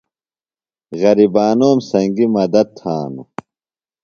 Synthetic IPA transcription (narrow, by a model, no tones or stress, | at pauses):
ɣɐɾibaːnoːmsɐŋɡimɐd̪ɐt̪̚t̪ʰaːnṵ